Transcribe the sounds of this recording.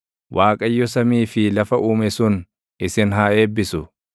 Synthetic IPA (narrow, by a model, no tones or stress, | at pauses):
wʔaːkʼɐjːɔsɐmiːfɪlɐfɐʔuːmɛsʊn | ɪsɪnɦaːʔe̞ːbːɪsʊ